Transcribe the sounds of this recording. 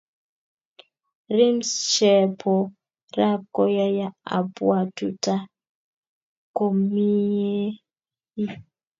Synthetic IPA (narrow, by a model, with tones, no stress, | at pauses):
ɾi˦msʃɛ˨pʰɔ˨ | ra˦p̚ko˦ja˦ja˦a̰˨bwa˨tu˨ta˦ | ko˨mi˦e˦ | i˦